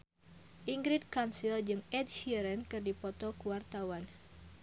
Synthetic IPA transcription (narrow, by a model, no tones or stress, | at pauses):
ʔiŋɡɾid̪̚kansild͡ʒɨŋɛd̚ʃiɛɾɛnkɨrdipɔt̪ɔkuwart̪awan